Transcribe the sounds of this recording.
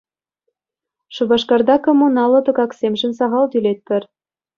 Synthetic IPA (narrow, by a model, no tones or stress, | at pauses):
ʃuβɑʃkɑrd̪ɑkomunɑlːɤ̆t̪ɤ̆ɣɑksemʒɘ̆nsɑʁɑlt̪ylet̪̚pɘ̆r